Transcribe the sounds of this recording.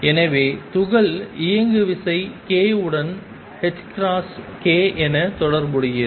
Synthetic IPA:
ɛnɐʋeːt̪ʊɣɐɭɪjɐŋɡɯʋɪsɐɪkeːɯɽɐn | hɛʈkɾaːs | keːʔɛnɐt̪ɔɽɐɾmɯɽɪjɐ

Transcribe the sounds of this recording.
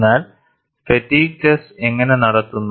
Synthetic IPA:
aːl | fetːiːɡɐse̞ŋːɐne̞nɐɽɐt̪ːunːu

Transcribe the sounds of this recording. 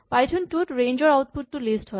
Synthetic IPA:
pajtʰonʈuʈɾẽjnd͡ʑoɾawt̪̚putːulisʈɦɔe

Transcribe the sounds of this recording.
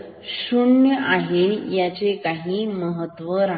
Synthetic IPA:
ɕuɳjəʔaɦejat͡sekaɦiːməɦət̪ːʋəɾa

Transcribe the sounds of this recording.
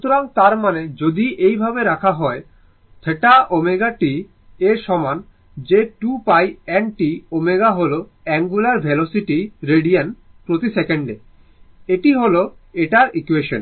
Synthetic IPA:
ʃut̪oɾaŋt̪aɾmaned͡ʑod̪iʔejbʱabeɾakʰaɦɔe | t̪ʰeʈaʔomeɡaʈi | eɾʃɔman | d͡ʑeʈupajɛnʈiomeɡaɦolo | ɛŋɡulaɾbʱɛlosiʈiɾeɖian | pɾot̪isɛkeɳɖḛ | eʈiɦoloeʈaɾikueʃo̰n

